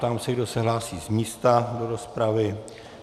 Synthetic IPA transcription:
t̪amsɛɡdo̞sɛɦlaːsiːzmiːst̪ado̞ɾo̞spɾavɪ

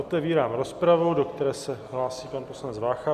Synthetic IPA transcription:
ot̪ɛviːɾaːmɾo̞spɾavowdo̞kt̪ɛɾɛːsɛɦlaːsiːpanpo̞slanɛd͡zvaːxa

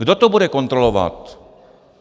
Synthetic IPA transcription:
ɡdot̪obudɛkont̪ɾolova̰t̪

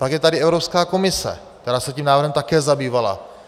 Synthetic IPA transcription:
paɡjɛt̪adɪʔɛvɾopskaːko̞mɪsɛ̰k̚t̪ɛɾaːsɛciːmnaːvrɾɦɛmt̪akɛːzabiːvala̰

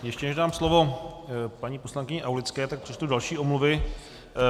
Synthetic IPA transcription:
jɛʃcɛnɛʒdaːmslovo̞ | paɲiːpo̞slaŋkɪɲɛʔawlɪt͡skɛːt̪ak̚pr̥ɛt͡ʃt̪udalʃiːʔo̞mluvɪ

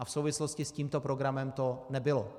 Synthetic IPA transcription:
ʔafsowvɪsloscɪsciːmt̪o̞pɾoɡɾamɛmt̪o̞nɛbɪlo

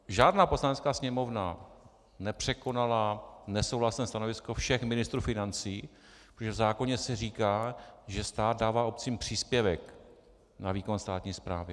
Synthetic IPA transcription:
ʒaːdnaːpo̞slanɛt͡skaːsɲɛmo̞vna | nɛpr̝̥ɛko̞nalanɛsowɦlasnɛːst̪ano̞vɪsko̞fʃɛxmɪnɪst̪ɾuːfɪnant͡siː | pɾt̪oʒɛvzaːko̞ɲɛsɛriːkaːʒɛst̪aːt̪̚daːvaːʔo̞p̚t͡siːmpr̝̥iːspjɛvɛk | naviːkonst̪aːt̪ɲiːspɾa̰ːvɪ

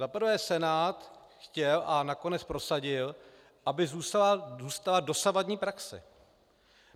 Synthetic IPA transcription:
zapɾ̩vɛːsɛnaːt̪ | xcɛlʔanako̞nɛt͡spɾo̞saɟɪl | ʔabɪzuːst̪alazuːst̪alado̞savadɲiːpɾaksɛ̰

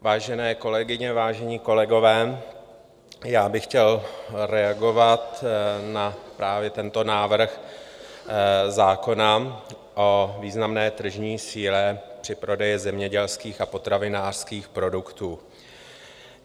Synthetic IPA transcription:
vaːʒɛnɛːko̞lɛɡɪɲɛvaːʒɛɲiːko̞lɛɡo̞vɛː | jaːbɪxcɛlɾɛaɡo̞vat̪napɾʔaːvjɛt̪ɛnt̪o̞naːvr̩x | zaːko̞na | ʔoviːznamnɛːt̪r̩ʒɲiːsiːlɛpr̥ɪpɾo̞dɛjɪzɛmɲɛɟɛlskiːxapo̞t̪ɾavɪnaːr̥skiːxpɾo̞dukt̪uː

